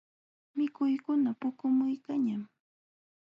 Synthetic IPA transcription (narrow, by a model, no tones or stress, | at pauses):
mɪkʊjkʊnapʊkʊmʊjkaɲam